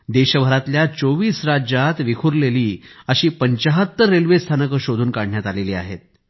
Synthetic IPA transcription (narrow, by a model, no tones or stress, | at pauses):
d̪eɕəʋəɾat̪ljat͡soʋiːsɾad͡ʑat̪ʋikʰuɾleliːəɕiːpəɲt͡ɕəɦət̪ːəːelʋest̪ʰanəkəɕod̪ʱuːnkaɽɳjat̪aleliːa̰ɦet̪̚